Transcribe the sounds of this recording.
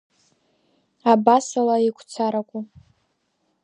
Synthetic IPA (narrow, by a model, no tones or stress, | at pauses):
abasalaikʷʰʼt͡sʰaɾakʷʼu